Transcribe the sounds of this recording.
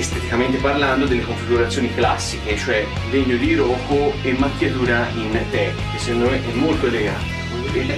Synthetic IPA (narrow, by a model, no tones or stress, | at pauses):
st̪et̪ikament̪eparland̪od̪elːekoɱfiɡuɾat̪sːjoːniklasːiket͡ʃoɛ | veɲːod̪iɾɔːkoemːakːjat̪uːɾaint̪ɛk | esenːomeʔɛmːolt̪oeleɡa̰t̪o